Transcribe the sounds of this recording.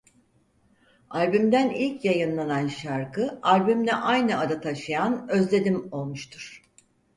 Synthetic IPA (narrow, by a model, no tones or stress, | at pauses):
alʲbymd̪ænilʲcjajɯnlˠananʃaɾkʰɯalʲbymd̪ʲɛʔajnɯad̪at̪ʰaʃɯjanø̞zlʲe̞d̪imo̞lˠmuʃt̪ʰuɾ̥